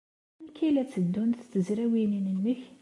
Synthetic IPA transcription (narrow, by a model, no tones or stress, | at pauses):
nkːilæt͡sːəd̪ːunθt͡sːəzɾæwininənːəç